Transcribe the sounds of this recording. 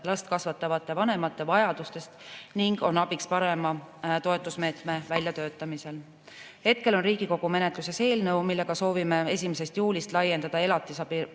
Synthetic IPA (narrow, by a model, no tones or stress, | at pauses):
lɑst̪̚kɑsvɑt̪ːˑɑvɑt̪ːˑe̞vɑne̞mɑt̪ˑːe̞vɑjɑd̪ust̪e̞st̪niŋɡ̥o̞nɑb̥ikspɑɾe̞mɑt̪o̞e̞t̪ˑːusme̞ːt̪me̞vælʲjɑt̪ø̞ːt̪ːˑɑmise̞l | he̞t̪̚ke̞lo̞nriːɡiko̞ɡ̥ume̞ne̞t̪ˑluse̞se̞ːlnɤ̞wmilːe̞ɡ̥ɑso̞ːvime̞e̞sʲimese̞st̪juːlist̪lɑjːe̞nd̪ɑd̪̥ɑe̞lɑt̪ːˑisɑpi